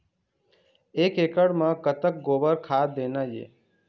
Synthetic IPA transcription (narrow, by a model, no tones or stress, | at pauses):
eːkekəɽmə̃kət̪ək̚ɡobəɾkʰad̪eːnajḛ